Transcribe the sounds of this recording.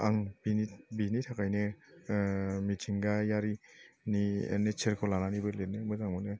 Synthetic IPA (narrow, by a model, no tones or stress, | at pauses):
aŋbinibinitʰakajnɯ | mitʰiŋɡajaɾiniḛnet͡ʃʰeɾkʰɔlananibɯlet̚nemɯzaŋmɔne